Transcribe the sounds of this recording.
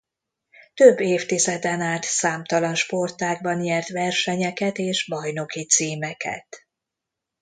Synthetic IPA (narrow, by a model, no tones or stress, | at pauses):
t̪øbːeːft̪izɛd̪ɛnaːlt̪saːmt̪ɒlɒnʃpo̞rt̪aːɡ̚bɒnjɛrt̪vɛrʃɛɲɛkɛt̪eːʒbɒjno̞kit̪siːmɛkʰɛ̰t̪